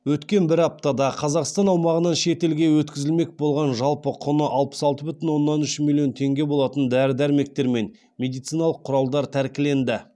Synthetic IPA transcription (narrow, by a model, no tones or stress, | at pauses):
wɵt̪kʲe̞nbɪɾɑp̚t̪ɑd̪ɑqʰɑzɑʁst̪ɑnɑwmɑʁənɑnʃe̞t̪e̞lɡʲe̞wɵt̪kʲɪzɪlme̞k̚bo̞lˠʁɑnʒɑlˠpəqʰʊnəʔɑlˠpə̥sɑlˠt̪əbʏt̪ɪnwo̞nːɑnʏʃmʲilʲˠijo̞nt̪ʰe̞ŋɡʲe̞bo̞lˠɑt̪ənd̪æɾɪd̪æɾme̞k̚t̪e̞ɾme̞n | mʲe̞d̪ijt̪sijnɑlˠəqʰːʊɾɑlˠd̪ɑɾt̪ʰæɾkʲɪle̞nd̪ɪ